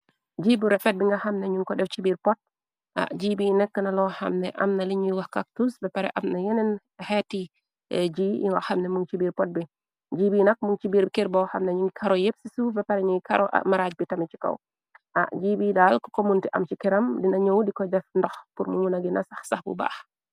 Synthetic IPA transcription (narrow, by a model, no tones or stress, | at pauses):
d͡ʒibuɾɛfɛt̚biŋɡahamnɛɲuŋkɔɗɛft͡ʃibiɾpɔt̚ | ʔa̰d͡ʒibinɛkːənalɔha̰mnɛ̰ʔa̰mnaliɲujwahkak̚tusbɛpaɾɛ̰ʔamnajɛnɛn | hɛti | d͡ʒiʔḭŋɡahamnɛmuŋt͡ʃibiːɾpɔt̚bi | d͡ʒibiːnak̚muŋt͡ʃibiːɾbikiɾbɔwhamnaɲuŋɡikʰaɾɔjepsisubɛpaɾɛɲuŋɡika̰ɾɔʔa̰maɾad͡ʒbitamit͡ʃi̥ka̰w | ʔa̰d͡ʒibidalkɔ̥komuntiʔa̰mt͡ʃikɛɾamdinaɲowdikɔd͡ʒɛfndɔxpuɾmumunaɡinasaxsaxbṵba̰